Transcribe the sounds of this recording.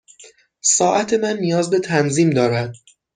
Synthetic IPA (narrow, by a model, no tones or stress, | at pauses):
sɒːʔæt̪ʰe̞mænːijɒːzbe̞t̪ʰænziːmd̪ɒːɾæd̪̥̚